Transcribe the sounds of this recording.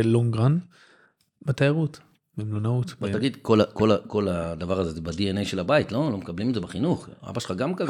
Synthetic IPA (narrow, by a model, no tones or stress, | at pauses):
loŋɡʁan | bet̪ejaʁut̪ | bemlonaut̪botaɡid̪ko̞lako̞lako̞lad̪avaʁɐazezebadienejʃe̞labaitlo̞lo̞mekablimetzebeχinuχa̰baʃelχaɡamka